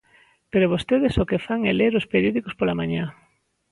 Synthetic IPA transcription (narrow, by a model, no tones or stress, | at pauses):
peɾoβ̞ost̪eðesokefaŋɛleɾospeɾjoðikospolamãɲa